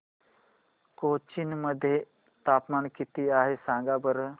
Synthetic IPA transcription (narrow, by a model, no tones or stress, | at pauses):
koːt͡ʃɪnməd̪ʱje | t̪aːpmaːnkit̪iaːɦesãːŋɡabəɾ